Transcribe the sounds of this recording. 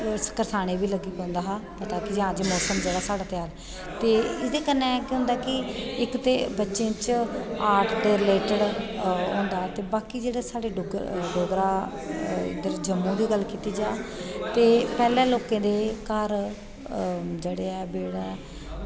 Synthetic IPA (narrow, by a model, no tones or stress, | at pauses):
sə̥kəɾsʰaːɽ̃eːbiːləɡiːpɛ̃nd̪aːɦaːpət̪aːkɪd͡ʒãːd͡ʒiːmoːsəmd͡ʒeːɽaːsaːɽaːt̪ɪaːl | t̪eːɪd̪eːkənːɛ̃ːkɦʊ̃nd̪aːkɪɪkt̪eːbətːʃẽːt͡ʃaːɾʈʰd̪eːɾɪleːʈəɽɦõːnd̪aːt̪eːbaːkiːd͡ʒeːɽaːsaːɽeːʊɡɖoːɡɾaː | ɪ̰d̪əɾd͡ʒəmːũːd̪iːɡəlːkiːt̪iːd͡ʒaːt̪eːpɛːlɛ̃ːloːkẽːd̪eːkəɾ | d͡ʒeːɽeːɛːbeːɽaː